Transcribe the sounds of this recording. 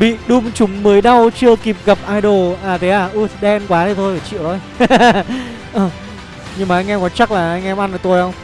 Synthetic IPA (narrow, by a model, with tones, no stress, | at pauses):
ɓḭ˧˨ɗu˨˧mt͡ɕʊ˨˦ŋ͡mməː˨˦jɗa˧wt͡ɕɨ˧əki˨˩p̚ɣa˨˩p̚ʔaː˧jɗo˨˩ʔaː˨˩t̪ʰe˨˦ʔaː˧˩ʔu˧˩t̪ʰɗɛ˧nkwaː˨˦zi˨˩t̪ʰo˧jːt͡ɕḭ˧˨wt̪ʰo˧˦j | ʔəː˨˩ | ɲɨ˧ŋmaː˨˩ʔa˧jŋʔɛ˧kwaː˨˦t͡ɕa˦˥k̚laː˨˩ʔa˧jŋ̟ʔɛ˧mʔa˧nəː˨˩t̪o˧jhə˧wŋ͡m